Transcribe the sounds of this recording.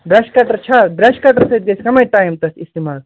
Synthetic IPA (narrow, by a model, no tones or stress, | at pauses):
b̪ɾɐʃkaʈɐɾt͡ʃʰad̪ɾɐʃkaʈɐɾsɐit̪̚ɡɐskɐmɐjʈaːjmt̪ɐsist̪imal